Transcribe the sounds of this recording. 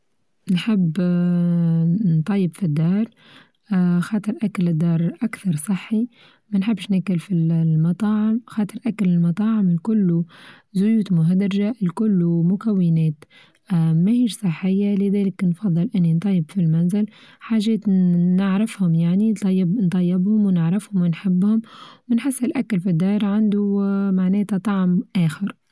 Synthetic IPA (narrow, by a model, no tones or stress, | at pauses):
nħɪbː | nt̪ˤɑjːɪbfid̪ːɑːɾˤ | xɑːt̪ˤɨɾʔakalɪd̪ːɑːɾˤʔakθɑɾˤsˤɨħːi | manħɪbːɪʃnakʊlfillmɑt̪ˤɑːʕɪmxɑːt̪ˤɨɾˤʔakalɪlmɑt̪ˤɑːʕɪmlkʊlːu | zʊjuːt̪mʊɦad̪ɾʒaʔlkʊlːumʊkawːɪneːt̪ː | mahiːʃsˤɨħːɪjːalɪðɛːlɪknfɑðˤːɨlʔɪnːint̪ˤɑjːɪbfilmanzɪlħaːʒɛːt̪nɪʕɾɪfhʊmjaʕnint̪ˤɑjːɪbnt̪ˤɑjːɪbhʊmwnɪʕɾɪfhʊmwɪnħɪbːhʊmwɪnħɪsːɪlʔakalfid̪ːɑːɾˤʕand̪umaʕnɛːt̪at̪ˤɑʕmʔæːxɪɾ